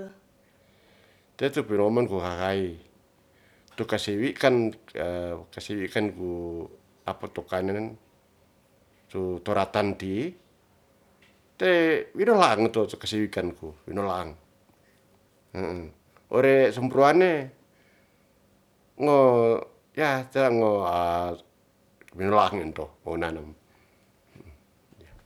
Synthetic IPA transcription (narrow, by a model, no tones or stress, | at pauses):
t̪ɛt̪upinɔmankukakai | t̪ukasiwikan | kasiwikanku | apat̪ɔkanan | t̪ut̪ɔɾat̪ant̪i | t̪ewinolaŋt̪ɔt̪ukasiwikankuwḭnolaaŋ | əʔ | o̰ɾesɔmpɾuane | ŋo | jat͡ʃaɾaŋoa | winolaaŋint̪ɔmonanam | ja